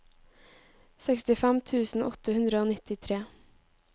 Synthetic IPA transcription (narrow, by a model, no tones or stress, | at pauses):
sɛkst̪ɪfæmt̪ʰʉːsn̩ʔɔt̪əhʉnd̪ɾəoːnɪt̪ɪt̪ʰɾeː